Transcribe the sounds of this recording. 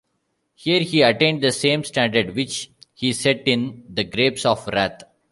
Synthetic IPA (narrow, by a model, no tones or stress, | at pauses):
hiəɾhiːɐʈẽːɳɖ̚d̪əsẽːmsʈæ̃ɳɖəɖʋɪt͡ʃhiːsɛʈɪ̃nd̪əɡɾeːpsɔːfɾæːt̪ʰ